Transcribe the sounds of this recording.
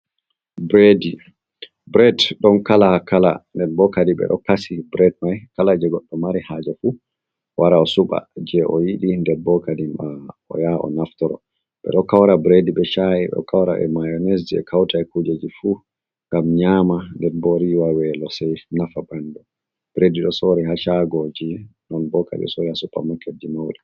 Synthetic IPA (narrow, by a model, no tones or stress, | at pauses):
bɾedi | bɾɛtɗɔnkalakala̰ndɛɾbɔkadiɓɛ̰ɗɔkasibɾɛd̚majkalad͡ʒɛɡɔɗːɔmaɾihad͡ʒafu | waɾaɔsuɓa̰d͡ʒɛʔɔjiɗindɛɾbɔkadimaɔ̰jaʔɔ̰naftɔɾɔ̰ | ɓɛ̰ɗɔkawɾabɾediɓɛt͡ʃajiɓɛ̰ɔ̰kawɾaʔɛ̰majɔnes̬d͡ʒiɛ̰kʰawtaɛkud͡ʒed͡ʒifu | ŋɡamɲamandɛɾbɔɾiwawɛlɔsajnafaɓandɔ | b̥ɾediɗɔsoɾiɦat͡ʃaɡɔd͡ʒinɔnbɔka̰dḭɔ̰soɾihasuɓa̰makːed͡ʒimawɗɛ